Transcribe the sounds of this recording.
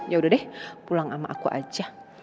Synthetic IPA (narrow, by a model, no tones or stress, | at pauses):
jaudahdɛhpulaŋama̰ʔakuʔa̰d͡ʒa